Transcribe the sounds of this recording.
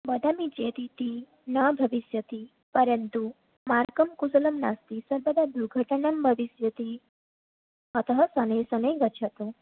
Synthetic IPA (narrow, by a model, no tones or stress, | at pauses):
bɐd̪ʱamid͡ʒet̪it̪i | nɐbʱɐʋisjɐt̪i | pəɾənt̪u | maɾkɐmkusɐlɐmnast̪isɐɾbəd̪ʱad̪uɡʱəʈənɐmbʱɐʋisjɐt̪i | ɐt̪ɐɦɐsɐnejsɐnejɡɐt͡ʃʰɐt̪u